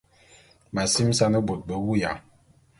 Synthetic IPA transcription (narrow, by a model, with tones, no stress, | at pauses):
ma˨si˦m˦sa˦nə˦bo˨t̚bə˨wu˦ja˨